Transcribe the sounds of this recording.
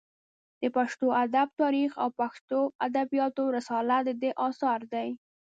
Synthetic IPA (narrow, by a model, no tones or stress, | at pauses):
d̪̥əpaʃt̪oʔad̪ab̚t̪ɑɾixa̰wpaxt̪oad̪abijɑt̪oɾasɑlad̪əd̪eʔɑsɑɾd̪aj